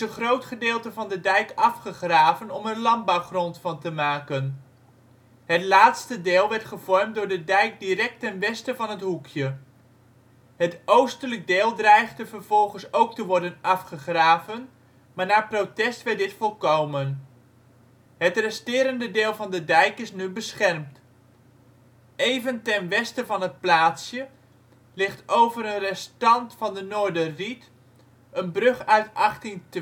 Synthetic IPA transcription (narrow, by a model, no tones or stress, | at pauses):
ənχrowtχədɪːlˠtəvɑndədɛjkɑfχəχraːvənɔmənlɑmbawχrɔntfɑntəmaːkən | ɦətlaːtstədɪːlˠʋɛɹtχəv̥ɔɹmt̚dʊːɹdədɛjk̚dirɛk̚tɛnʋɛstəvɑnɦətɦukʰjə | ɦətowstələɡ̚dɪːlˠdrɛjχdəvərv̥ɔlˠχənsowk̚təʋɔɹdənɑfχəχraːvən | maːɹnaːprotɛstʋɛɹt̚dɪtfɔlˠkowmən | ɦətrɛstɪːɾəndədɪːlˠvɑndədɛjkɪsnybəsχɛrmt | ejvəntɛnʋɛstəvɑnɦət̚plaːtsjə | lɪχtowvəɾənrɛstɑntfɑndənoːɹdərit | ʔənbrɵχœɥtɑχtɪŋt